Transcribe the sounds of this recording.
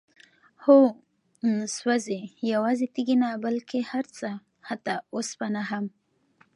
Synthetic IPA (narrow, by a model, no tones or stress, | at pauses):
ho | swazejawɑzet̪iɡinabalkehaɾt͡sa | hat̪aosbanaɦam